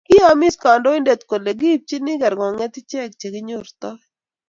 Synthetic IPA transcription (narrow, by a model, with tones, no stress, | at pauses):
kɪ˦a˨mɪ˦ska˨ndɔ˦ɪ˦nde˨t̪ko˨le˨ɡi˦p̚t͡ʃi˦nɪ˦ɡɛ˨ɾɡɔ˨ŋɛ˦t̪ɪ˦t͡ʃɛ˦˨kt͡ʃe˨ɡɪ˦ɲʊ˦ɾt̪ɔ˦